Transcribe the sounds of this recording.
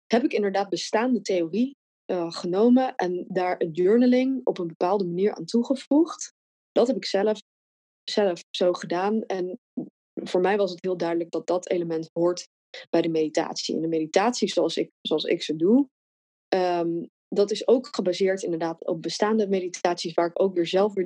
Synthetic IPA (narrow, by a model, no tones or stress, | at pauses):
ɦɛpɪkɪndəɹdaːd̚bəstaːndətejori | əχənowməʔɛndaːɹədøɹnəlɪŋɔpənbəpaːlˠdəmaniːɹʔa̰ːntuχəv̥uχt | d̥ɑtɦɛpɪksɛləf | z̥ɛləfsowχədaːnɛn | v̥ʊːɹmɛjʋɑsətɦɪːlˠdœɥdələɡ̚dɑt̚dɑtḛjləmɛntɦʊɹt | b̥ɛjdəmedita̰ːtsḭɛ̰ndəmejditaːtsizoɑlˠsɪ̰ksoɑlˠsɪ̰ksədu | dɑtɪsowkχəbazɪːɹtɪndəɹdaːtɔ̰p̚bəstaːndəmeditʰaːtsisʋaːɹɪkowkʋɪːɹzɛlˠfʋɪ